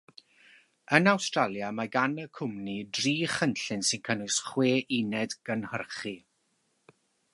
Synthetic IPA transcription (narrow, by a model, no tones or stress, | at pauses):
ənawstralˠjamaɡanəkʰʊmnidriːχənɬɪnsɪnkʰənʊɨsχweːʔinɛdɡ̥ənhərχi